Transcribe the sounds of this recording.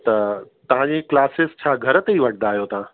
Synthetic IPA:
t̪ɐt̪ɐʋ̤ãd͡ʑeklaːsest͡ɕʰaːɡʱɐɾət̪eiʋɐɽ̚ʰnaːɦijot̪ɐʋã

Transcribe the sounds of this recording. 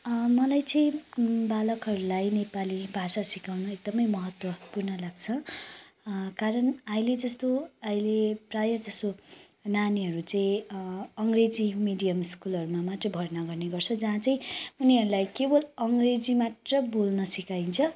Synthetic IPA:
mʌlajt͡sʌĩbalʌkʌɾulajnepalibʱasasikawnʌek̚d̪ʌmʌjmʌɦʌt̪wʌpurnʌlaɡt͡sʰʌ | kaɾʌnʌjled͡zʌst̪oʌileprajʌd͡zʌst̪o | naniɦʌɾut͡sʌĩʌŋɡred͡zimiɖijʌmiskulʌɾumamaʈrʌbʱʌrnʌɡʌrneɡʌrt͡sʰʌd͡zaɦãt͡saĩuniɦʌɾulajkebʌlʌŋɡred͡zimaʈrʌbolnʌsikaint͡sʰʌ

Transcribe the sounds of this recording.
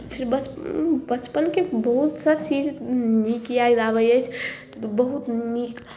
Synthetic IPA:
pʰiɾbət͡ʃbət͡ʃpənkebəɦut̪sət͡ʃid͡ʒnikiajd͡ʒaβəjəjt͡ʃʰ | bəɦut̪nik

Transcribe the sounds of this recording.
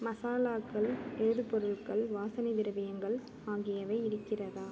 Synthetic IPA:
mɐsaːlaːkːɐɭeːðɯpɔɾɯɭkɐɭʋaːsɐnɪd̪ɪɾɯʋɐjɐŋɡɐɭ | aːɣɪjɐʋɐɪɪɾɯkːɪrɐðaː

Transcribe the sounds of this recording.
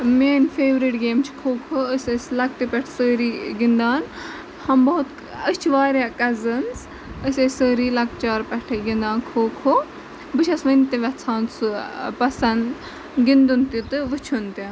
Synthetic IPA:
meːnfeːʋɾiʈɡeːmt͡ʃʰi̥kʰoːkʰoəsʲesʲlɐk̚t̪ipʲɛʈʰsəːɾiːɡind̪aːn | hɐmbɐɦut̪ | ət͡ʃʰiʋaːɾʲjaːkɐzɐnz | əsʲesəːɾiːlɐk̚t͡ʃaːɾpʲɛʈʰɐɡind̪aːnkʰoːkʰo | bɨt͡ʃʰɐsʋɐnt̪iʋʲɐt͡sʰaːnsupɐsɐn | ɡind̪unt̪it̪ɨʋɨt͡ʃʰunt̪i

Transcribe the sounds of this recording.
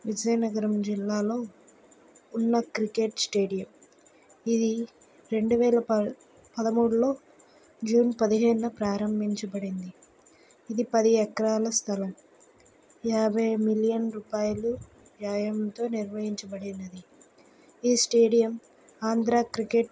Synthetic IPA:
ʋid͡ʒɐjnɐɡɐɾɐmd͡ʒilːaːlo̞ː | unːɐkɾike̞ʈsʈeːɖijɐm | id̪i | ɾe̞ɳɖuʋɛːlɐ | pɐd̪ɐmuːɽulo̞ː | d͡ʒuːnpɐd̪iɦeːnːɐpɾaːɾɐmbʱiɲt͡ʃɐbɐɽind̪i | id̪ipɐd̪iɛkɐɾaːlɐst̪ʰɐlɐm | jaːbʱɐjmilijɐnɾuːpaːjɐlu | ʋjaːjɐmt̪o̞ːniɾʋɐɦiɲt͡ʃɐbɐɽinɐd̪i | iːsʈe̞ːɖijɐm | aːnd̪ɾaːkɾike̞ʈ

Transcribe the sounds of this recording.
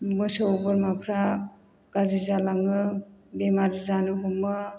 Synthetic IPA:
mɯsɯwbɯɾmapʰɾa | ɡ̥azizalaŋɯbemaɾizanɯɦumːɯ

